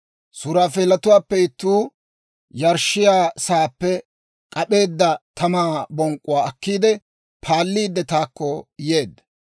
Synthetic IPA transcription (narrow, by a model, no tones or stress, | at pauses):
sʊɾaːfeːlɐt̪ʊwaːpːɛɪt̪ːuː | jɐɾʃɪjaːsaːpːɛ | kʼɐpe̞ːd̪ːɐt̪ʰɐmaːbɔŋkʼʊwaːɐkːiːd̪ɛ | pʰaːlːiːd̪ːɛt̪aːkːɔje̞ːd̪ːɐ